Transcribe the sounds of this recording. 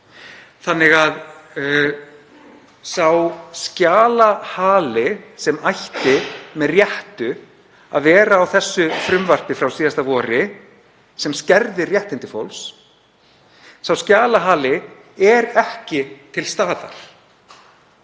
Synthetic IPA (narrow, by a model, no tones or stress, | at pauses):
θanːɪɣað | sawscaːlahaːlɪsɛmajht̪ɪmɛðrjɛht̪ʏ | a̰ðvɛːɾaːwθɛsːʏfɾʏmvar̥t̪ɪfɾawsiːðast̪avɔːɾɪ | sɛmscɛɾðɪrjɛht̪ɪnt̪ɪ̥fowls | sawscaːlaɦaːlɪ | ɛɾɛhcɪt̪ʰɪlst̪aːða̰ɾ̥